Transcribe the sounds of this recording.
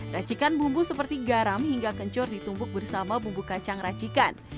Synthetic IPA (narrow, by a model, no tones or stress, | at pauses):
rat͡ʃikanbumbusəpərt̪iɡaɾamɦiŋɡakəɲt͡ʃɔrdit̪umbʊk̚bərsamabumbukat͡ʃaŋrat͡ʃikan